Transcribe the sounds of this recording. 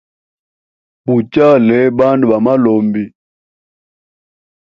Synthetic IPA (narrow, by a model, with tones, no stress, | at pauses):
pu˨t͡ʃa˦lɛ˨˦ba˦ndu˨ɓa˨ma˦lɔ˨mbi˨